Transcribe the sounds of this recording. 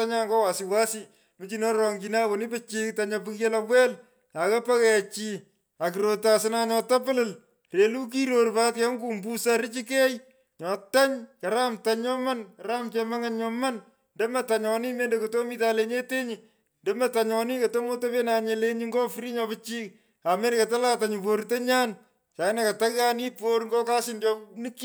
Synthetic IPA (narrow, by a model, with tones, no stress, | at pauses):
a˦ɲa˦ŋɡɔ˦wa˨siwa˦si˦ | mɪ˨t͡ʃi˨nɔ˦ɾɔ˨ŋɡina˦ko˨nɪ˦pɪ˦t͡ʃiktaɲa˧pɪ˦kje˦lawwɛ˦l | a˨ka˦pa˦kɛt͡ʃi | a˨kɪɾo˨ta˨sɪnaɲɔ˧ta˦p̬ɪ˦lɪl | re˨lu˦k̬i˦ɾo˨rpa˦t̚kɛ˨˦ŋkuː˨mbu˦saɾɪ˦t͡ʃi˦kɛ˦j | ɲɔ˨ta˦ɲkɐ˨ɾa˦mtaɲɲɔ˦ma˦nkɐɾa˦mt͡ʃɛma˦ŋaɲɲɔmɐn | ndɛ˦mɐ˨taɲɔni˦meː˦ndokoto˦mi˦ta˨leɲe˦te˦ɲɪ | ndɛ˦mɐ˦taɲɔni˦kɐ˨to˦mo˦to˦pe˦na˨ɲele˦ɲɪŋɡɔ˦fɾi˦ɲɔ˧pɪ˦t͡ʃi˦k | a˨me˦nkata˦la˦ta˨ɲupo˨ɾte˦ɲa˦n | t͡ʃa˨ɪ˦naka˨ta˦kani˦poɾŋɡɔ˦ka˦sɪndɔnɪki